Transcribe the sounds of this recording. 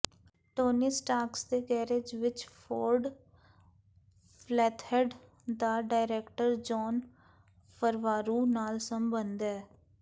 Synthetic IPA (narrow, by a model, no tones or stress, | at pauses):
ʈoːnisʈaːksd̪eːɡɛːɾed͡ʒʋɪt͡ʃpʰoːɾɖ | pʰlɛːt̪ʰhɛɖ | d̪aːɖaːɪɾɛːkʈəɾd͡ʒɔːn | pʰəɾʋaːɾuːnaːlsəmbənd̪ɛː